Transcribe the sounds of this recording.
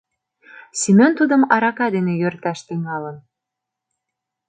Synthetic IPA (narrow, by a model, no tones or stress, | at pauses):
simʲont̪ud̪ə̆mɑɾɑkɑd̪enejørt̪æʃt̪əŋɑlən